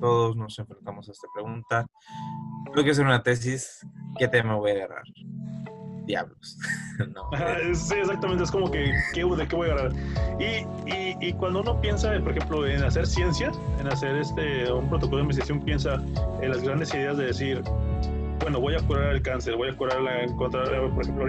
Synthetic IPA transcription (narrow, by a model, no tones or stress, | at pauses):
t̪o̞ðo̞zno̞se̞ɱfɾe̞nt̪amo̞saest̪ḁpɾe̞ɣunt̪a | bojkes̬eɾunat̪e̞s̬iske̞t̪emaβo̞jaɣa̰ra̰ɾ | d̪ja̰βlosnoahasies̬ak̚t̪amẽnt̪eeskomokekeðekeβojaɣaraɾiiikwand̪ouno̞pje̞nsapo̞ɾexemplo̞enaseɾsje̞nsjaenaseɾest̪eumpɾo̞t̪okolomis̬ɾasjompje̞nsa | enlazɣɾand̪e̞siðe̞azðe̞ðesiɾ | bwe̞no̞βojakuɾaɾelkanse̞ɾβojakuɾaɾaeŋkont̪ɾaepoɾexemplo